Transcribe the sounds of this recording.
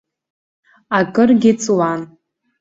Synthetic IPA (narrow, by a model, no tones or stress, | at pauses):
akʼɨrɡʲɪt͡sʼwan